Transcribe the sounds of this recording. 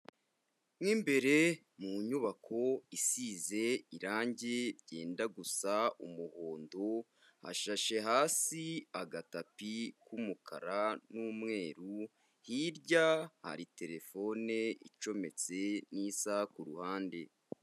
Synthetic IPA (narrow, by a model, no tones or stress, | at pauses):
mŋiːmbe̞ɾe̞ | muɲuβakʰo̞isiːze̞iɾaːɲɟe̞ɾɟe̞̰ːndaɡusaumuhoːndo̞ | ha̰ʃaʃe̞ɦaːsiaɡatapikumukʰa̰ɾanuːmŋe̞ːɾu | hiɾɟaha̰ɾite̞ɾe̞fo̞ne̞it͡ʃo̞me̞t͡se̞nisakuɾuhaːnde̞